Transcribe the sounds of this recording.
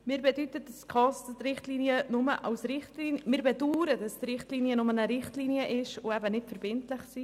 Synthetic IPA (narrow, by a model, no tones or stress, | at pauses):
mɪːɾbɛdytət̚d̥ɑskχɑsttrɪχtliːniənʊməʔɑʊsɾɪχtlinmɪːɾbɛduːɾədɑstɾɪχtliːniənʊmənəɾɪχtliːniəʔɪʃʊɛbənɪtfəɾbɪntlɪχsiː